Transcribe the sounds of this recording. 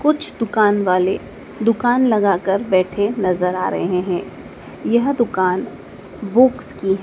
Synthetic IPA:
kʊt͡ʃʰd̪ʊkaːnʋaːle | d̪ʊkaːnlɐɡaːkəɾbɛːʈʰenɐzəɾa̰ːɾɐ̰ɦeɦẽɦɛ̃ː | jɐɦd̪ʊkaːn | boːkskiɦɛ̃

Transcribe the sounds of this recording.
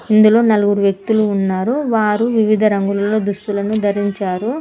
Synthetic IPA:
ind̪ulo̞ːnɐluɡuɾuʋjɐk̚t̪uluːnːaːɾuʋaːɾuʋiʋid̪ʱɐɾɐŋɡulɐlo̞ːd̪ust̪ulɐnud̪ʱɐɾiɲt͡ʃaːɾu

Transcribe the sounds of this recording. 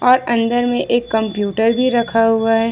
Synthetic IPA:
ɔːɾɐ̃nd̪əɾmẽʔeːkːɐ̃mpjuːʈəɾbʱiɾɐkʰaɦuaɦɛː

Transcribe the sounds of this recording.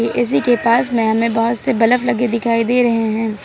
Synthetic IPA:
iʔɪs̬ikepaːsmẽɦɐmẽbɐɦʊt̪sebɐləflɐɡed̪ɪkʰaːid̪eːɾɐɦeɦɛ̃ː

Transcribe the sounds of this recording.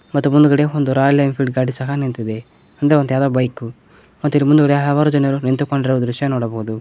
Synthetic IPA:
mɐt̪ːumund̪uɡɐɽeond̪uɾaːjlɐjmpʰiɖɡaːɖisɐɦɐnent̪id̪e | ɐnd̪ɐɾend̪ujaːd̪aːbɐjku | mɐt̪ːuilimund̪uoɽeɐɐʋaːɾud͡ʒɐnɐɾunent̪ukoɳɖiɾɐʋd̪ɾuʂjɐnɔːɽɐboɦud̪u

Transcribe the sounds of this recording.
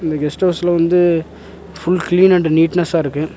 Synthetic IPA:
ɪnd̪ɐɡɛsʈɐʊsɪlɐʋɐnd̪ɯ | fʊɭkliːnɛɳɖːɐniːʈnɐsãːɪɾɯkːɯ

